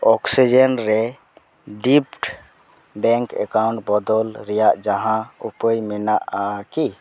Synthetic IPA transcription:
ɔksid͡ʒenɾɛ | ɖipʈ | bɛŋkɛ̰kawɳʈbɔd̪ɔlɾɛjaʔd͡ʒaɦãupəjminaʔaki

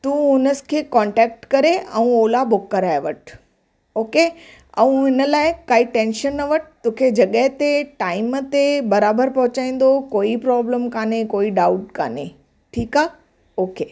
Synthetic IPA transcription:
t̪ũːʊnəsɪ̥kʰeːkɔ̃ːɳʈɛːk̚ʈkɐɾeʔɛ̃ũoːlabʊkːɐɾaːeʋəʈ | oːke | ɛ̃ũɪnə̆laːɪkaːiʈẽːnʃənːɐʋəʈɪ̥t̪ũːkʰed͡ʑɐɠəɦt̪eʈaːɪmət̪ebɐɾaːbəɾpɐɦʊt͡ɕaːĩːn̆d̪okoːipɾɔːbləmkaːnekoːiɖaːʊʈka̰ːne | ʈʰiːkaː | oːke

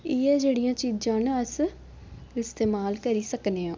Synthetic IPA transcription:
ɪɛːd͡ʒeːɽijãːt͡ʃiːd͡ʒãːnəs | ɪst̪eːmaːlkəɾiːsəkneːãː

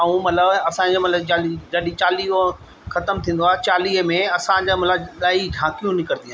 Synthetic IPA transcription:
ɐũmɐt̪ləbɐsãɲd͡ʑomɐt̪ləbd͡ʑalid͡ʑɐɗit͡ɕaːliːo | xɐt̪əmt̪ʰĩːn̆d̪oaːɦet͡ɕaːliːmẽɐsãd͡ʑamɐt̪ləbɗaːiɖʱãːkijũnɪkəɾnĩaː

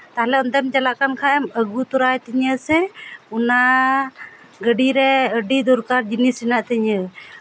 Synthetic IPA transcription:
t̪aɦlɛɔnd̪ɛmt͡ʃalaʔkankʰaɛməɡut̪uɾajt̪iɲəsɛuna | ɡəɖiɾɛəɖid̪ɔɾkaɾd͡ʒinisinaʔt̪iɲə

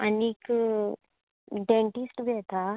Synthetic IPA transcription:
aniːk | ɖẽɳʈisʈɡʱɛt̪a

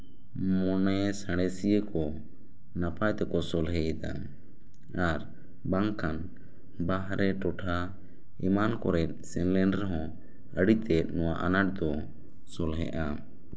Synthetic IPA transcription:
mɔnɛsaɽ̃ɛsijəkɔ | napʰajt̪ɛkɔsɔlɦɛɛd̪a̰ | aɾ | baŋkʰan | baɦɾʔɛʈɔʈʰa | ɛmankɔɾɛt̪̚ˀsɛnlɛnɖɾɦɔ̃ | əɽit̪ɛt̪̚ˀnɔwaʔanaʈ̚d̪ɔ | sɔlɦɛ̰ʔa

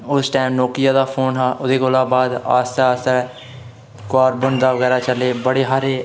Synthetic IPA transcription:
ʊsʈaːɪmnɔːkɪjaːd̪aːpʰoːnɦaːʔʊd̪eːkoːlaːbaːd̪a̰ːst̪aaːst̪ɛː | kaːɾbənd̪aːʋəɣɛːɾaːt͡ʃəleːbəɽeːɦaːɾeː

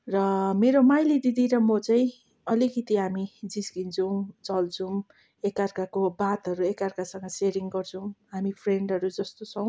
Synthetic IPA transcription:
rʌmeɾomajlid̪id̪iɾʌmʌt͡saĩ | ʌlikit̪iɦamid͡zisɡint͡sʰʌw̃t͡sʌlt͡sʰũ | ekarkakobat̪ɦʌɾuekarkasʌŋɡʌseɾiŋɡʌrt͡sʰʌ̃w̃ɦamipʰreɳɖɦʌɾud͡zʌst̪ot͡sʰʌw̃

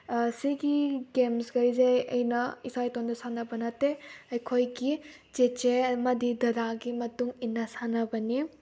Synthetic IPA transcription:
siɡiɡemsɡɐjzɐjɐ̰jnɐisajtondɐsanɐbɐnɐteɐjkʰojɡid͡ʒet͡ʃemɐdidɐɾaɡimɐtuŋinːɐsanɐbɐni

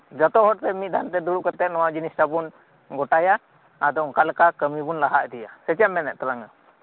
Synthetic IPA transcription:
d͡ʒat̪ɔɦɔɾt̪ɛmit̪̚d̪ʱant̪ɛd̪uɾuʔkat̪ɛt̪̚nɔwad͡ʒinisʈabun | ɡɔʈajaː | d̪ɔŋkalkakəmibunlaɦaʔd̪ɛjasɛt͡ʃɛmmːɛnɛʔ̚t̪alaŋa

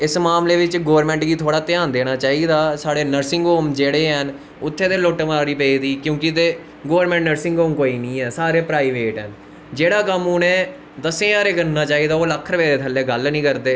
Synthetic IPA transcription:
ɪsmaːmleːʋɪt͡ʃɡoːəɾmɛ̃ːɳʈɡiːt̪ʰoːɽaːt̪ɪjaːnd̪eːñaːt͡ʃaːiːd̪aːsaːɽeːnəɾsɪ̃ŋɡoːmd͡ʒeːɽeːɦən | ʊt̪ʰːeːt̪eːloːʈmaːɾiːpeːd̪iːkjõːkɪt̪eː | ɡoːəɾmɛ̃ːɳʈnəɾsɪ̃ŋɡoːmkoːiːnĩːɦɛːsaːɾeːpɾaːiːʋeːʈɦən | d͡ʒeːɽaːkəmuːnẽː | d̪əsẽːaːɾeːkəɾnaːt͡ʃaːiːd̪aːoːləkʰːəɾʋeːd̪eːt̪ʰəlːeːɡəlnĩːkəɾd̪eː

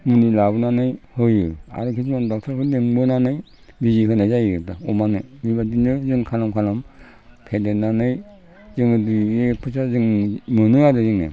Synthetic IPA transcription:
mundilabɯnanɯjhɯjɯa̰ɾɯkʰismandɔk̚tʰaɾkʰɯdeŋbɯnanɯj | biziɦɯjnajzajdaɔmanɯmibadinɯzɯŋkʰalamkʰalam | pʰedenanɯj | zɯŋɯduepʰɯsʰazɯŋmɯnɯadɯzɯŋḛ

